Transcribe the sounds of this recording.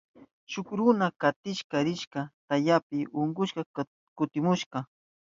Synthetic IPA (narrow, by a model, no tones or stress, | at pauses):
ʃʊkɾʊnakat̪ɪʃkaɾɪʃkat̪ajapɪʊŋɡʊʃkɑ | kʊt̪ɪmʊʃqɑ